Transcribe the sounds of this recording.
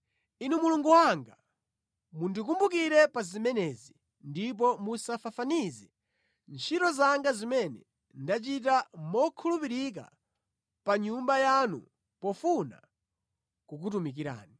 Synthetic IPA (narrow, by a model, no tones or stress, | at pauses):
inumuluŋɡuwaŋɡa | mundik̬umbuk̬iɾɛpazimɛnɛzi | ndip̬ɔmusafafanizɛ | nt͡ʃʰiɾɔzaŋɡazimɛnɛ̰ | ndat͡ʃitamɔkʰulupiɾik̬a̰ | paɲumbajanṵ | pɔfuna̰ | kuk̬utumik̬iɾa̰ːni